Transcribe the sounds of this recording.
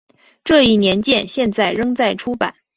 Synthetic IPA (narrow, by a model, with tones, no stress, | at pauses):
ʈ͡ʂɤ˥˧i˥˩njɛ˧˥nt͡ɕjɛ˥˧nɕjɛ˥˧nt͡sa˥˩ɪɻɤ˥ŋt͡sa˥˩ɪʈ͡ʂʰu˥pa̰˨˩˦n